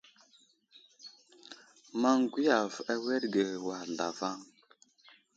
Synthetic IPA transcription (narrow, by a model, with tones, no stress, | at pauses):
ma˦ŋɡʷi˦ja˨va˦we˦ɾɡe˨wa˨ɮa̰˨va˦ŋ